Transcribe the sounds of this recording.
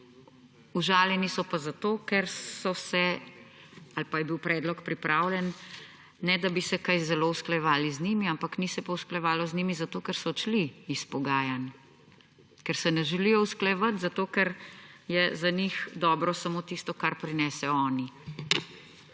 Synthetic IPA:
uʒaːljɛnisɔpazat̪oːkɛɾsɔsɛ | alpajɛbiwpɾɛːd̪lɔkpɾipɾaːwlʲɛnː | ɛd̪abisɛkajzɛlousklɛjɛʋaːliznimiampaknisɛpawsklɛjʋaːlɔznimizat̪oːkɛɾsɔt͡ʃliːspɔɡaːjan | kɛɾsɛnɛʒɛlijɔwsklɛʋat̪zat̪oːkɛɾjɛzanixd̪ɔːbɾɔsamoːt̪ist̪ɔkaɾpɾinɛsɛɔɔːni

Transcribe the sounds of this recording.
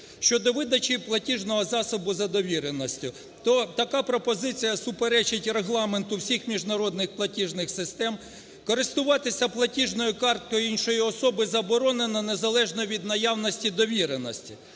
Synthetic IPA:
ʃt͡ʃɔd̪ɔʋɪd̪ɐt͡ʃiplˠɐtʲiʒnɔɦɔzɑsɔbʊzɐd̪ɔʋʲiɾenɔsʲtʲʊ | t̪ɔt̪ɐkɑpɾɔpɔzɪt͡sʲijɐsʊpeɾɛt͡ʃɪtʲreɦlˠɑment̪ʊwsʲixmʲiʒnɐɾɔd̪nɪxplˠɐtʲiʒnɪxsɪst̪ɛm | kɔɾɪst̪ʊʋɑt̪ɪsʲɐplˠɐtʲiʒnɔjʊkɑrt̪̚kɔjiinʃɔjiɔsɔbɪzɐbɔɾɔnenɐne̞zɐlˠɛʒnɔʋʲid̪nɐjɑwnɔsʲtʲid̪ɔʋʲiɾenɔsʲtʲi

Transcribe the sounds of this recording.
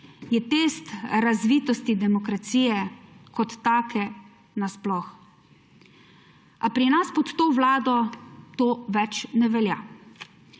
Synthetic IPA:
jɛt̪eːst̪ɾazʋit̪ɔst̪id̪ɛmɔkɾat̪siːjɛkɔt̪ːaːkʰɛ | nasplɔx | apɾinaspɔt̪ːoːʋlaːd̪ɔt̪oːʋɛt͡ʃnɛʋɛlja̰

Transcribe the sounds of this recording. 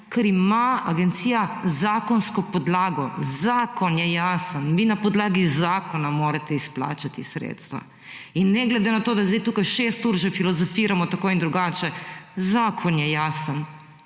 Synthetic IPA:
kɛɾimaaɡɛnt̪siːjazaːkɔnskɔpɔd̪laːɡɔzaːkɔnjɛjaːsənʋinapɔd̪laːɡizaːkɔnamoːɾat̪ɛispla̰ːt͡ʃat̪isɾḛːt̪st̪ʋa̰ | inːɛɡlɛd̪enat̪oːd̪azd̪ɛjt̪uːkajʃeːst̪uːɾʒɛfilɔzɔfiːɾamɔt̪akoːind̪ɾuɡaːt͡ʃɛzaːkʰɔnjɛjaːsən

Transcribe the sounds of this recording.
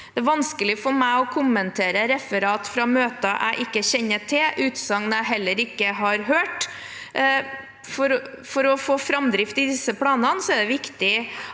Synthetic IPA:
d̪̥ɛæʋɑnskəlɪfɔɾmæɪɔkʰʊmːənt̪ʰeːɾəɾɛfəɾɑːt̪fɾɑmøːt̪əʔæ̰ɪʔɪkːəçɛɲːəʈʰɪlʔʉːt̪sɑŋːnæɪɦɛlːəɾɪkːəɦɑɾɦøːʈ | fɔɾ | fɔɾɔfoːfɾɑmd̪ɾɪft̪ɪd̪ɪsəpʰlɑːnɑnsɔɛɖ̪ɛʋɪkt̪ɪ

